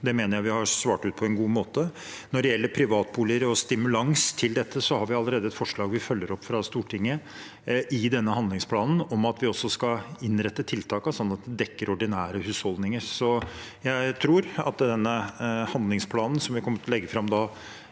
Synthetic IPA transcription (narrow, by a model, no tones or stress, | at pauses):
d̪ɛmeːnəɾjæɪʋɪhɑsʋɑːʈʉːt̪̚pʰɔɛnɡuːmoːt̪ə | nɔɖɛjɛlːəɾpʰɾɪʋɑːt̪̚buːləɾɔst̪ɪmʉlɑŋst̪ʰɪld̪ɛt̪ʰːəsɔhɑɾʋɪɑlːəɾeːd̪əɛt̪fɔʂɭɑːɡʋɪfœlːəɾɔpːfɾɑst̪uːʈʰɪŋːə | ʔɪd̪ɛnːəɦɑnd̪lɪŋspʰlɑːnn̩ɔmɑt̪ʋɪɔsːɔskɑɪnɾɛt̪ːət̪ʰɪlt̪ʰɑːkɑsɔnːɑt̪̚d̪ɛd̪ɛkːəɾɔɖɪnæːɾəhʉːshɔld̪nɪŋəɾsɔjæɪt̪ʰɾuːɾɑ̰t̪d̪ɛnːəhɑnd̪lɪŋspʰlɑːnn̩sɔmʋɪkʰɔmːəʈʰlɛɡːəfɾɑmd̪ɑː